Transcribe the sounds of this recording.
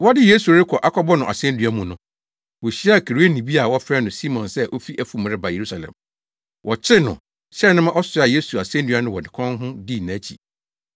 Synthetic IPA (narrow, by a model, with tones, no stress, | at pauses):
wɔ˦dɪ˦je˦su˨ɾɪ˦kʰɔ˨ʔa˦kʰɔ˦bɔ˦nʊ̃˨ʔa˨sɛ̃˦n˦dɥa˦mũ˨nʊ̃˦ | wo˨ɕi˦a˦˨kʰe˨ɾu˨˦e˦nĩ˨bi˦a˨wɔ˦fɾɛ˦nʊ̃˨si˦mɔ̃˨nsɛ˦ʔo˦fi˦ʔæ˨fu˨m˨ɾɪ˦ba˨je˨ɾu˦sa˨lɛ̰̃˨m | wʔɔ˨t͡ɕʰɪ˦nʊ̰̃˨ | ɕɛ˦nʊ̃˦mã˦ʔɔ˦sʊ˦a˨je˦su˨a˨sɛ̃˦n˦dɥa˦nʊ̃˦wɔ˨dɪ̃˨kʰɔ̃˦nɦʊ̃˦di˦˨nã˨˦t͡ɕʰḭ˨